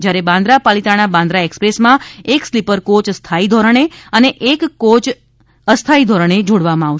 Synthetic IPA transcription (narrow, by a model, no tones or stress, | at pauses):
d͡ʒjaɾebãnd̪ʱɾapalit̪anabãnd̪ʱɾaekspɾesmãekslipəɾkot͡ʃst̪ʰaid̪ʱɔɾəɳ̃eəneʔekkot͡ʃ | əst̪ʰaid̪ʱɔɾəɳ̃ed͡ʒoɽʋamãaʋʃ